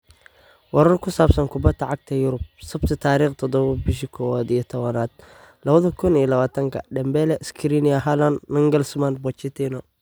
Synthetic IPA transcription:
wɐɾɐrkʰʊsaːbsɐnkʰʊbɐt̪ʰːɐʕɑɡ̚t̪ʰɐjʊɾʊb̚sɐbt̪ʰɐt̪ʰaːɾiːχt̪ʰɔd̪ɔβɐbɪʃɪkʰɔːwad̪ijɔt̪ʰɔβɐnaːd̪̥̚ | lɐβɐðɐkʰʊnijɐlɐβaːt̪ʰɐŋkʰɐ̰ɖɐmbɛːlɛʔskʰɪɾinijɐɦalɐnnɪŋɡɐlsmanbɔt͡ʃɪt̪ʰinɔ

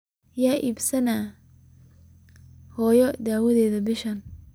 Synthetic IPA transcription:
jaːʔiːbsɐnaː | hɔːjɔd̪aːwɐðɛːðɐbɪʃɐn

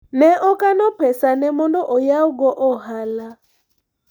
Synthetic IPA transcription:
nɛʔɔkanɔpɛsanɛmɔndɔʔɔjauɡɔʔɔhala

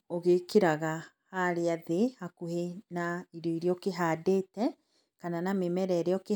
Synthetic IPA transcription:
oɣekeɾaɣa | haɾeaðehakuhenaiɾɔiɾeɔkeɦaːdeːtɛ | kananamemɛɾɛɾeɔke

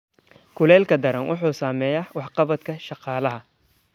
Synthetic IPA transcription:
kʰʊlɛːlkʰɐd̪ɐɾɐnwʔʊ̰ħuːsaːmɛːjɐwɑħqɑβɐd̪kʰɐʃɑqɑːlɐɦɐ

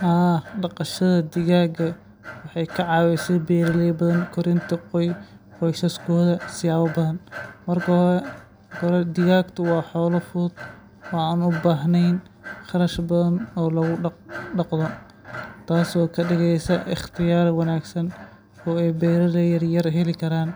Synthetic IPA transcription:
haːɖɑqɑʃɐðɐd̪ɪɣaːɡɐ | wɑħɑjkʰɐʕɑːwɛjsɛbɛːɾɐlɛːbɐðɐnkʰɔɾɪnt̪ʰɐqɔjqɔjsɐskʰɔːðɐsɪjaːwɔbɐðɐnmɐrkʰɐɾɛ | kɔɾɛd̪ɪɣaːɡt̪ʰɐwɑːħɔːlɐfʊd̪ | wɑaːnʊbaːɦnɛjn | χɑɾɐʃbɐðɐnɔːlɐɣʊɖɑqðɔ | t̪ʰaːsɔːkʰɐɖɪɣɛjsɐʔɪχt̪ʰɪjaːɾwɑnaːɡsɐn | ɔːɛjbɛɾɐðɐjɐrjɐrɦɛlɪkʰɐɾaːn

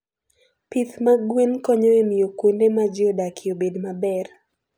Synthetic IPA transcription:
pit̪maɡwenkɔɲɔemiokwendemad͡ʒodakʰiobedmabɛɾ

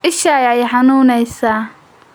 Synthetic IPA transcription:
ɪʃaːjɛjħɑnuːnɛjsaː

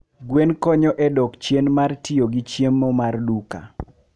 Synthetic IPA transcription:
ɡwenkɔɲɔʔɛdɔkt͡ʃjenmartioɡit͡ʃjemːomarduka̰

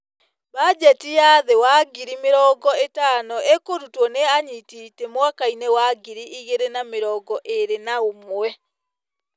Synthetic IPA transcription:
βad͡ʒɛtiaðewaɡiɾimeɾɔːɡɔetaːnɔʔekoɾutwɔneaɲitiːtɛmwakainɛwaɡiɾiiɣeɾenameɾɔːɡɔʔeɾenaomɛ

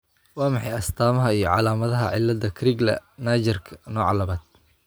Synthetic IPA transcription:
wɑːmɑħɑjɐst̪ʰaːmɐɦɐijɞʕɑlaːmɐðɐɦɐ̰ʕɪlːɐd̪ɐkʰɾɪɡlɐ̰naːd͡ʒɪrkʰɐ̥nɔːʕɑlɐβaːd̪̚

